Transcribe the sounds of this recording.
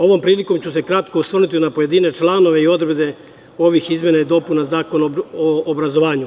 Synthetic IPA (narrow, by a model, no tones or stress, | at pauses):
o̞ʋo̞mpɾiːliko̞mt͡ɕuse̞kɾat̪ko̞usʋrnit̪inapo̞je̞d̪iːne̞t͡ʃlˠano̞ʋe̞io̞d̪ɾebd̪e̞ | o̞ʋixizmje̞naid̪o̞punazaːko̞noːbɾazo̞ʋaːɲu